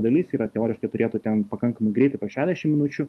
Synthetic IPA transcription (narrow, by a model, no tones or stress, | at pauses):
d̪ɐlʲisiːɾɐt̪ʲɛoːɾʲɪʃkɐɪt̪ʊɾʲeːt̪ut̪ʲɛnpɐkɐŋkɐmɐɪɡɾʲɛɪt̪ɐɪpoʃʲæːzʲd̪ʲɛʃʲɪmʲɪnʊt͡ʃʲʊ